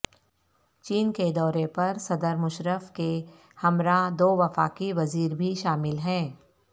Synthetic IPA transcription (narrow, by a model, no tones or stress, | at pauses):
t͡ʃiːnked̪ɔːɾepɐɾsɐd̪əɾmʊʃɾəfke | hɐmɾad̪oːʋɐfa̰ːkiʋɐziːɾbʱiʃaːmɪlɦɛ̃ː